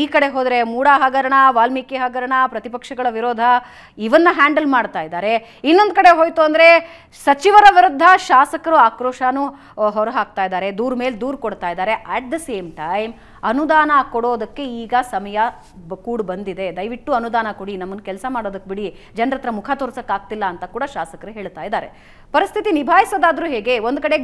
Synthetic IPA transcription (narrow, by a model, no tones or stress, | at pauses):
iːkɐɽe̞ɦoːd̪ɾe̞muːɽaːɦɐɡɐɾɐɳɐʋaːlmikeɦɐɡɐɾɐɳɐpɾɐt̪ipɐkʂɐɡɐɭɐʋiɾoːd̪ʱɐ | iʋɐnːɐɦaːɳɖɐlmaːɽt̪aːjid̪aːɾe̞ | inːo̞nd̪̚kɐɽe̞ɦoːjt̪uɐnd̪ɐɾe̞ | sɐt͡ʃiʋɐɾɐʋiɾud̪ʱːɐʃaːsɐkɐɾuaːkɾoːʂaːnu | ɦɔɾɐɦaːk̚t̪aːjid̪aːɾed̪uːɾme̞ːld̪uːɾkoɽt̪aːjd̪aːɾe̞ʔæːʈ̚d̪ɐseːmʈɐjm | ɐnud̪aːnɐkoɽo̞ːd̪ɐkːe̞iːɡɐsɐmɐjɐ | kuːɽbɐnd̪id̪e̞d̪ɐjʋiʈːuɐnud̪aːnɐkoɽinɐmːɐnkɛlsɐmaːɽo̞ːd̪ɐkːbiɽi | d͡ʒɐnɾɐt̪ɾɐmukʰat̪oːɾsɐkːaːɡ̚t̪ilːɐːnt̪ɐkuːɽɐʃaːsɐkɐɾuɦeːɭt̪aːjid̪aːɾe̞̰ | pɐɾist̪ʰit̪inibʱaːjisod̪aːd̪ɐɾuːɦeːɡe̞ond̪̚kɐɽe̞